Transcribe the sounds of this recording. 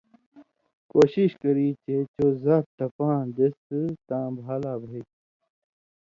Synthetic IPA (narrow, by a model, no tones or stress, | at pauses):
koːɕiɕkɐɾiːt͡ɕet͡ɕoːzaːɾt̪ɐpãːd̪est̪ɨt̪ãːbʱaːlaːbʱiː